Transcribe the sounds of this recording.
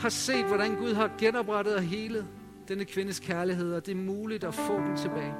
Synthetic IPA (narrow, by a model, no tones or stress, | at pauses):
hɑ̈se̝̰ːd̥ʋɒɾænɡ̥uð̞ˠɦɑ̈ɡ̥enɒ̽b̥ʁɑɾ̥ð̩ˠɦe̝ːləð̩ˠ | d̥enəkʰʋe̝nəskʰæɐliɦe̝ð̞̰ˠɒ̽d̥e̝ɐmuːlid̥ɒfɔ̰ːd̥emt͡sʰe̝b̥ɛːɪ